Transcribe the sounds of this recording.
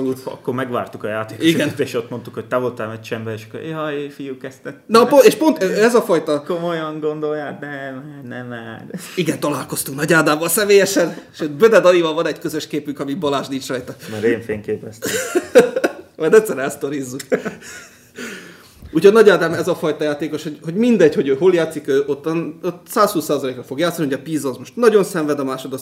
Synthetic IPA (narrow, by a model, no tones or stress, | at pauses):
olut̪ɒ̰kːoɾmɛɡʋa̰ːrt̪ukɒjaːt̪eːkiɡɛnt̪eːʃo̞t̪mo̞nt̪ukhoc̚t̪aːvolt̪aːmɛt͡ʃɛmbɛeːʃɒ̥kːo̰ɾjɒjfijukɛst̪ɛt̪nɒpoeːʃpo̞nt̪ːɛzɒfɒjt̪ɒkomojɒŋɡo̞nd̪o̞jjaːnɛmanɛmadiɡɛnt̪ɒlaːlko̞st̪uŋknɒɟaːd̪aːbɒlsɛmeːjɛʃɛnʃøːt̪bød̪ɛd̪ɒivɒlvɒnɛɟkø̞zøʃkeːpyŋkɒmibɒlaːʒd̪iːt͡ʃrɒjt̪ɒmɛɾeːɱfeːŋkeːpɛst̪ | mɒjd̪ɛt̪sːɛɾɛlst̪o̞ɾizːuk | uːchonɒɟaːd̪aːmɛzɒfɒjt̪ɒjaːt̪eːko̞ʃho̞ɟho̞ɟmind̪ɛɟho̞ɟøːɦo̞ljaːt̪sikøːʔot̪ːɒnot̪saːshuːsːaːzɒleːkrɒfo̞ɡjaːt̪sːniɦo̞ɟɒpiːzɒzmo̞ʃt̪nɒɟo̞nsɛɱvɛd̪ɒmaːʃo̞d̪o